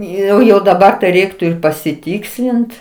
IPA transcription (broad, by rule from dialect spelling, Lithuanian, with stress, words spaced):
ˈjɛʊ jɛʊ dɐˈbɐr ˈrʲɛɪktʊ ɪr pɐsʲɪˈtʲiːksʲlʲɪnt